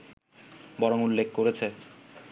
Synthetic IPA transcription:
bɔɾoŋulːekʰkoɾet͡ɕʰe

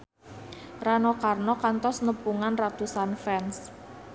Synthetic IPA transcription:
ranɔkarnɔkant̪ɔsnəpuŋanrat̪usanfɛns

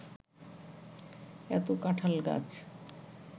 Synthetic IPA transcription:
ɛt̪okaʈʰalɡa̰t͡ɕ

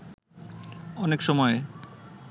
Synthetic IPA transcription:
ɔnekʃɔmɔe

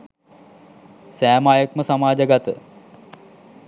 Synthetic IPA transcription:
sæːmajəkməsamaːd͡ʒəɡat̪ə

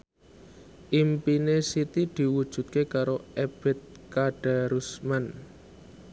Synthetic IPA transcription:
ʔimpinesit̪id̪̥i̤wud̥ʒ̥ṳt̪̚kekaɾoeb̥ɛ̤t̪̚ | kaɖ̥a̤ɾusman

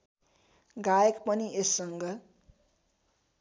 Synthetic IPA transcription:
ɡajekpʌniesːʌŋɡʌ

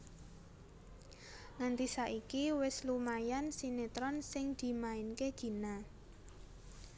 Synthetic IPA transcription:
ŋant̪isaʔikiwɪslumajansinet̪ɾɔnsɪŋd̪̥i̤maɪnkeɡ̥i̤na

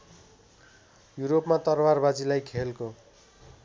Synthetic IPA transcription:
juɾopmat̪ʌrwarbad͡zilajkʰelko

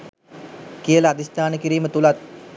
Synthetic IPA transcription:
kijələad̪ist̪aːnəkiɾiːmət̪ulat̪̚

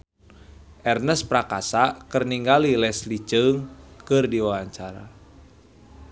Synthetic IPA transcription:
ʔɛrnəspɾakasakərniŋɡalilɛslit͡ʃəŋkɨrdiwawaɲt͡ʃaɾa̰

